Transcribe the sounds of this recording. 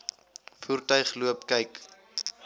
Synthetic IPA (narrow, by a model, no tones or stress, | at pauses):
fuːrtœɥχluəpkɛjk